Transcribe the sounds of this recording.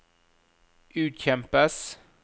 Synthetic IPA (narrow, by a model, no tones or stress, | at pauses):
ʔʉːt̪ɕɛmpəs